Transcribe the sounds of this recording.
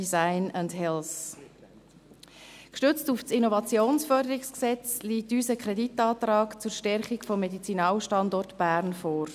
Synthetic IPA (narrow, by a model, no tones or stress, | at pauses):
izaɪnandɦɛls | kʃtʏt͡stuft͡sinɔvɑt͡sjoːnsfœɾdəɾɪksksɛt͡sliːtyːsəkʰɾɛditɑːt̪ɾɑːkt͡suːɾʃtɛɾχikfɔmːedit͡sinɑːlʃtɑndɔrtb̥æːɾnfɔːɾ